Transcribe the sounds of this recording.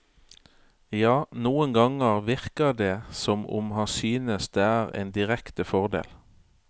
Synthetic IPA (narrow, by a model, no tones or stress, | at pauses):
jɑːnuːənɡɑŋəʁʋɪʁkəd̪eːsɔmʊ̰mhɑnsyːnəsd̪eːæːʁḛːnd̪ɪʁɛkt̪əfɔʁd̪ḛːl